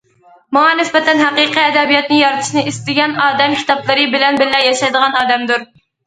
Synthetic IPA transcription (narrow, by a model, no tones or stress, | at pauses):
mɑŋɑnɪsbɛt̪ɛnɦæqiqiɛd̪ɛbijɑt̪̚nɨjɑɾɨt̪ʰɨ̥ʃnɨʔist̪ɪɡʲɛnɑːd̪ɛmkʲʰi̥t̪ʰɑplˠɨɾɨbɪlɛnbɪlːɛjɑʃɑjd̪əʁɑnɑːd̪ɛmd̪uɾ